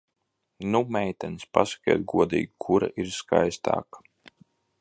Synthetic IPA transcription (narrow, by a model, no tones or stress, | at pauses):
numɛjt̪ɛnspa̰sɐ̥kʲiɛt̪̚ɡuɔd̪ḭːɡikʰuɾa̰ʔiɾska̰jst̪a̰ːkḁ